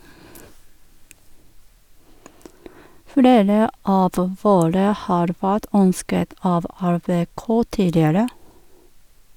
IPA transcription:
ˈfleːɾə ˈɑːʋ ˈʋoːɾə ˈhɑːɾ ˈʋæːt ˈœnskət ˈɑːʋ æɾbeːˈkoː ˈtiːdɪəɾə

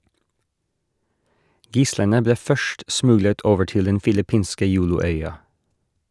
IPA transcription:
ˈɡɪslənə ˈbleː ˈfœʃʈ ˈsmʉɡlət ˈoːʋə ˈʈɪl ˈdɛn fɪlɪˈpiːnskə ˈjuːlʊˌœʏɑ

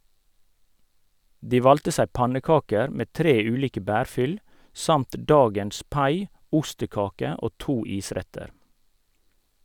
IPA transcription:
ˈdiː ˈʋɑltə ˈsæɪ ˈpɑnəˌkɑːkəɾ ˈmeː ˈtɾeː ˈʉːliːkə ˈbæːɾˌfʏl ˈsɑmt ˈdɑːɡəns ˈpɑɪ ˈʊstəˌkɑːkə ˈʔoː ˈtuː ˈiːˌsɾɛtəɾ

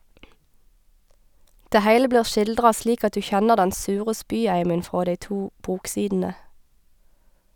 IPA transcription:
ˈdeː ˈhæɪlə ˈbliːʁ ˈʃɪldʁɑ ˈsliːk ˈɑt ˈdʉː ˈçɛnəʁ ˈdɛn ˈsʉːʁə ˈspyːˌæɪmən ˈfʁoː ˈdæɪ ˈtuː ˈbuːkˌsiːdn̩ə

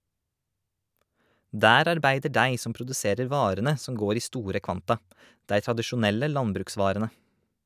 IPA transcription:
ˈdæːɾ ɑɾˈbæɪdə ˈɖæɪ ˈsɔm pɾʊdʉˈseːɾəɾ ˈʋɑːɾənə ˈsɔm ˈɡoːɾ ˈiː ˈstuːɾə ˈkʋɑntɑ ˈdæɪ tɾɑdəʃʊˈnɛlə ˈlɑnbɾʉːkˌsʋɑːɾənə

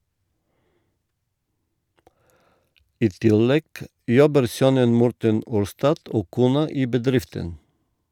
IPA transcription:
ˈiː ˈtɪlɛɡ ˈjɔbəɾ ˈsœnən ˈmɔɾtən ˈuːɾstɑd ˈoː ˈkuːnɑ ˈiː bəˈdɾɪftən

